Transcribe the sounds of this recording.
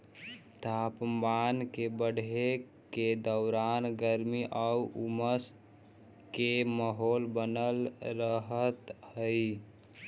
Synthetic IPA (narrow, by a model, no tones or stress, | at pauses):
t̪ʰaːpmaːnkebəɽ̤ʱe | ked̪əʊɾaːnɡəɾmiʔəuʔuməs | keməɦoːlbənəlɾəɦət̪həi